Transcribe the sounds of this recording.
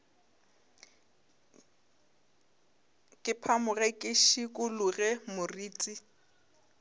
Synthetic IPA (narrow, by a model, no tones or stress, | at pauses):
kʼɪpʰamʊrɛkʼɪʃikʼʊlʊɣɛmʊriːt͡sʼi